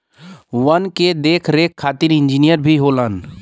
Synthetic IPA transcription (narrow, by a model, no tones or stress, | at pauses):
ʋənked̪eːkʰɾeːkʰːaːt̪iɾɪ̃nd͡ʒinijəɾbʱiɦoːlən